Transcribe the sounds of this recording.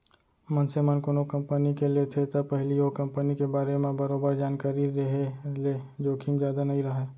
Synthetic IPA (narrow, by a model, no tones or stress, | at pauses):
mənsemənkoːnokə̃mpənikelet̪ʰet̪əpəɦɪliokə̃mpənikebaːɾemẽbəɾoːbəɾd͡ʒaːnkaːɾiɾəɦeled͡ʒoːkʰimd͡ʒjaːd̪anɐɦĩɾəɦe